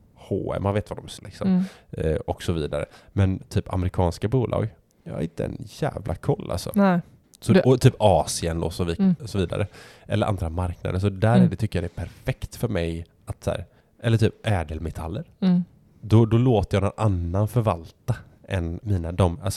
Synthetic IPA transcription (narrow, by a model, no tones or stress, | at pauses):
hoːɛ̰manveːt̪vad̪ɔmslɪksɔm | ɔksɔviːd̪aɾə̰mɛnt̪ʰyːpa̰mɛɾɪkʰɑːnskabuːlʔɑ̰ːɡ | jɑ̰ha̰ɾɪnt̪əɛ̰njæ̰ːvlʔa̰kʰɔlːʔa̰lsɔ̰ | sɔɔt̪ʰyːpɑːsɪənd̪ɔsɔvsɔviːd̪a̰ɾʔə | ʔɛ̰ləɾʔa̰nd̪ɾamaɾkna̰d̪əʂɔd̪æɾɛd̪ɛt̪ʰʏkːəjɑd̪ɛæpʰæɾfɛkt̪fœɾmɛj | at̪sæ̰ːɾ | ʔɛlːəʈʰyːpʔɛːd̪əlmɛt̪ʰalːəɾ | d̪ɔd̪ɔloːt̪əjɑːnɔnʔanːanfœɾvalt̪a | ʔɛnmiːnad̪ɔmalsɔ